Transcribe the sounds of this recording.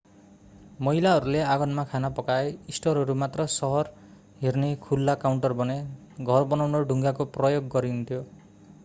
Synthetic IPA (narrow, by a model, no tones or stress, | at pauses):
mʌɦilaɦʌɾuleaɡʌnmakʰanapʌkaeisʈʌɾɦʌɾumat̪rʌsʌɦʌr | ɦernekʰulːakawɳʈʌrbʌne | ɡʱʌrbʌnawnoɖʱuŋɡakoprʌjoɡːʌɾiunt̪ʰjo